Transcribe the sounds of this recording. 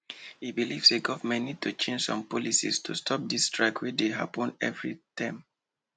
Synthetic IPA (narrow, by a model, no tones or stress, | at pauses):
hibilivseɡɔvmɛnitʰut͡ʃẽnd͡ʒsɔ̃mpɔlisḭstʰustʰɔp̚distʰɹaɪkʰwideɦa̰pɔ̃nɛ̰vɹitʰãm